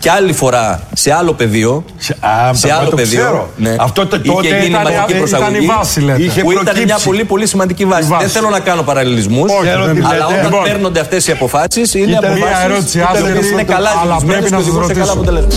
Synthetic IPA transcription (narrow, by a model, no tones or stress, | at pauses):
ceɐlifo̞ɾɐse̞ɐlo̞pe̞ðio̞ | seɐllopeðioɾone̞ɐft̪ot̪ieinimɐd̪icipɾosɐɣɐniivɐsileiçepuit̪ɐnmɲɐpo̞lipo̞lisimɐnd̪icivɐsiðeθe̞lo̞nɐkɐno̞pɐɾɐlilizmusoɾoɐlɐot̪ɐmeɾno̞nd̪eɐft̪e̞siɐpo̞fɐsisineɐoɐsɾoseeinekɐlɐzmeesoðiɣusekɐlɐpot̪elezmɐ